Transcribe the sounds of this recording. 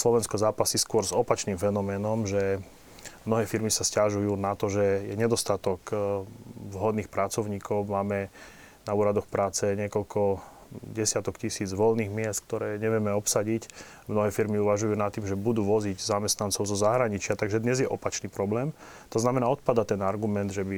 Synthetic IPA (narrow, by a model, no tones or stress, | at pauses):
slɔʋɛnskɔzaːpasiskʊɔɾzɔpat͡ʃniːmfɛnɔmɛːnɔmʒɛ | mnɔɦɛːfiɾmisascaʒujuːnat̪ɔʒɛjɛɲɛd̪ɔst̪at̪ɔk | vɦɔd̪niːxpɾat͡sɔʊɲiːkɔʊmaːmɛ | nauːɾad̪ɔxpɾaːt͡sɛɲɪɛkɔʎkʰɔ | ɟɛsɪat̪ɔkcisiːd͡zʋɔlniːɣmɪɛst̪k̚t̪ɔɾɛːɲɛʋɪɛmɛɔpsaɟic | mnɔɦɛːfiɾmiuʋaʒujuːnat̪ːiːmʒɛbud̪uːʋɔziɟzamɛst̪nant͡sɔʊzɔzaɦɾaɲit͡ʃɪat̪aɡʒɛd̪ɲɛzjɛʔɔpat͡ʃniːpɾɔblɛːm | t̪ɔznamɛnaːɔt̪̚pad̪at̪ɛnaɾɡumɛnd̪ʒɛbi